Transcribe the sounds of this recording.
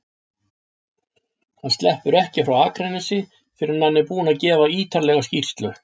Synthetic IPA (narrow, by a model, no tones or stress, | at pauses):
θanst̪lɛhpʏɾɛhcɪfɾawaːkɾɛnɪsɪ | fɪɾɪɾnanːɪpuːnaðcɛːvaiːt̪ʰaɾlɛɣascir̥st̪lʏ